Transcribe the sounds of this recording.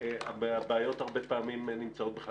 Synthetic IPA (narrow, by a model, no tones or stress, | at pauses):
abbeajo̞t̪aʁbepaːmimenimt͡sao̞t̪̚beχa